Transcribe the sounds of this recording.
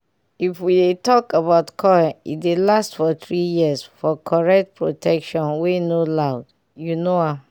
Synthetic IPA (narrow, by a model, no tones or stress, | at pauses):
ifwidetɔkabaʊtkʰɔjaḭdelastfɔt̪ɹijisfɔkʰɔɹɛk̚t̚pʰɹotʰɛkʃɔ̃nwenolaʊd | junoa